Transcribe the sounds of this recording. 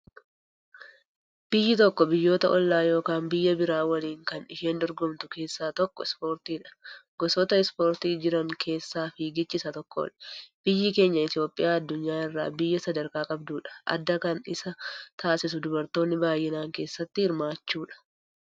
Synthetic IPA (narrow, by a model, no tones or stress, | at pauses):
b̥ɪjːɪt̪ɔkːɔbɪjːo̞ːt̪ɐʔɔlːaːjo̞ːkaːnbɪjːɐbɪɾaːwɐliːŋkɐnɪʃeːnd̪ɔɾɡɔmt̪ʊke̞ːsːaːt̪ɔkːɔɪspo̞ːɾt̪iːᶑɐ̥ɡɔsɔːt̪ɐɪspo̞ːɾt̪iːd͡ʒɪɾɐŋkʰe̞ːsːaːfiɡɪt͡ʃːɪsɐt̪ɔkːɔɔ̰lb̥ɪjːɪke̞ːɲːɐɪt̪ɪjo̞ːpʼːɪjaːɐd̪ːʊɲːaːɪrːa̰ːbɪjːɐsɐd̪ɐɾkaːkʼɐbd̪uːᶑɐ̥ʔɐ̰d̪ːɐkɐnɪsɐt̪ʰaːsɪs̬ʊd̪ʊbɐɾt̪o̞ːnːɪbaːjːɪnaːŋke̞ːsːɐt̪ːɪhɪɾmaːt͡ʃːuːᶑɐ̥